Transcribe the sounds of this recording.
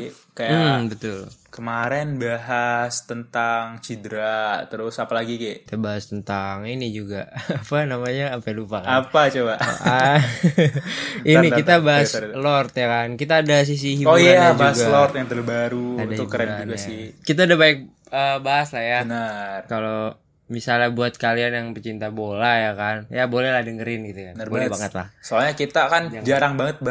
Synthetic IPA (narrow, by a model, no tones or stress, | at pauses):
kɛkajabət̪ʊlkəmaɾɛnbaɦast̪ənt̪aŋt͡ʃidɾat̪əɾʊsapalaɡikɛt̪abaɦast̪ənt̪aŋinid͡ʒuɡaapanamaɲaːmpalupakaapat͡ʃobaʔa | inikit̪abaɦaslɔrt̪jakankit̪aːdas̬is̬iɦiojaabauasɡlɔrt̪jaŋt̪ərbaɾuadad͡ʒ̪ʊukːəɾɛd͡ʒunɡasɪkit̪̬aːdabaɛk̚ | əbaɦaslahjanərkalo | misalabuat̪̚kalianjaŋpət͡ʃint̪abolajakanjabolɛhlahdəŋəɾɪnɡit̪ukanbolɛbaŋət̪la̰hsoalɲakit̪akanad͡ʒaɾaŋbaŋət̪̚b